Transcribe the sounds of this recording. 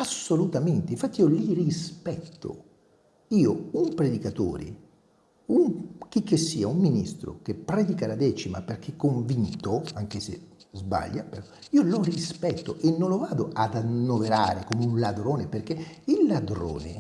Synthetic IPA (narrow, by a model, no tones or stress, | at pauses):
asːolut̪ament̪eiɱfat̪ːiiːolirispɛt̪ːo̰ | iːoumpɾed̪ikat̪o̰ːɾḭ | uŋk̟ik̟ːesːiːaumːinist̪ɾo̰k̟epːɾɛd̪ikalad̪ɛːt͡ʃima̰perk̟ʰekːoɱvint̪oaŋk̟esḛ | zba̰ʎːapeɾɔiːolorispɛt̪ːoʔenːolovaːd̪oʔad̪anːoveɾaːɾekomeunlad̪ɾoːneperk̟e | ilːad̪ɾo̰ːnḛ